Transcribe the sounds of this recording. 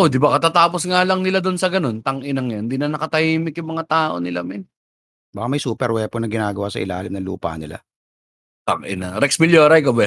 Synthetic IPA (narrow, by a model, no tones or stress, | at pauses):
ʔod̪ɪbakɐt̪at̪aːposŋaːlɐŋnɪlad̪onsɐɡɐno̞nt̪ɐŋʔɪnɐŋjand̪inɐnɐkɐt̪ɐiːmɪkjʊŋmɐŋat̪aːʔo̞̰nɪla̰mɪn | baːkamɐjsuːpɛɾwɛponɐɡɪnaːɡɐwaːsɐ̰ʔɪ̰la̰ːlɪmnɐŋlṵːpɐ̰nɪ̰la̰ | t̪ɐŋʔɪ̰nɐɾɛksmɪljoɾajkɐbɛ